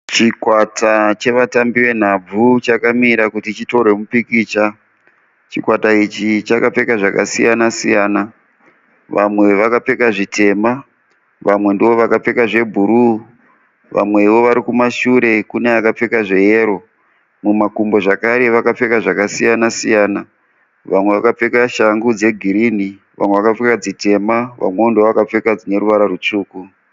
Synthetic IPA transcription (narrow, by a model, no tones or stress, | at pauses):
t͡ʃikwatʰat͡ʃe̞ʋatambiwe̞n̤ab͡vut͡ʃakamiɾakutit͡ʃito̞ɾe̞mupikiːt͡ʃa | t͡ʃikwatait͡ʃit͡ʃakap͡fe̞kaʐakasijanasijaːna | ʋamwe̞ʋakap͡fe̞kaʐitʰe̞ma | ʋamwe̞ndiʋo̞ʋakap͡fe̞kaʐe̞bʱuɾu | ʋa̰mwe̞iʋo̞ʋaɾikumaʃuɾe̞kuneakap͡fe̞kaʐe̞jeːɾo̞ | mumakumbo̞ʐakaɾe̞ʋakap͡fe̞kaʐakasijanasijaːna | ʋamwe̞ʋakap͡fe̞kaʃaŋɡud͡ze̞ɡʱiɾiːni | ʋʔa̰mwe̞ʋakap͡fekad͡zite̞maʋa̰mwe̞ondiʋoʋakap͡fe̞kad͡zine̞ɾuʋaɾarut͡ʂuːku